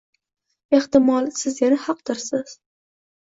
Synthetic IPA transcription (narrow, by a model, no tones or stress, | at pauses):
e̞ht̪ɪmɒlˠsɪzjanahɑq̚d̪ɪɾsɪz̥